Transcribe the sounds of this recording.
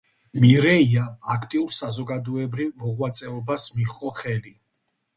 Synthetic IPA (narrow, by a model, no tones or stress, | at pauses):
miɾɛiaakʰt̪ʼiuɾsazɔɡad̪ɔɛbɾivmɔʁwat̪sʼɛɔbasmiχqʼɔχɛli